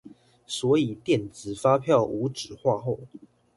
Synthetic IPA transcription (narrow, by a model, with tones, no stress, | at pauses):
swɔ˧˥i˨˩t̪jɛ˥˨nt͡sɹ̩˨˩fa˦˥pʰjɑ˥˨ʊʔu˨˥˦ʈ͡ʂɻ̩˨˩xwa˥˧xo˥˨ʊ